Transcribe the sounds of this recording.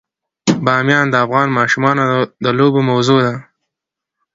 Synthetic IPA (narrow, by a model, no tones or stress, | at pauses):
bɑmjɑnd̪əafɣɑnmɑʃumɑnod̪əlobomawzod̪a